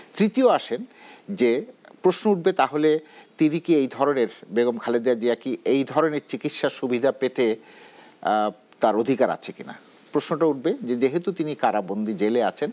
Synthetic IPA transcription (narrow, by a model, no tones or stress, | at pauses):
t̪ɾit̪ioaʃend͡ʑepɾoʃnouʈ̚bet̪aɦolet̪inikiejd̪ʱɔɾoneɾbeɡomkʰaled̪ead͡ʑiakiʔejd̪ʱɔɾoneɾt͡ɕikit̪ʃaʃubʱid̪ʱapet̪e | t̪aɾod̪ʱikaɾa̰t͡ɕʰekina̰ | pɾoʃnoʈauʈ̚bed͡ʑed͡ʑeɦet̪ut̪inikaɾabond̪id͡ʑeleat͡ɕʰen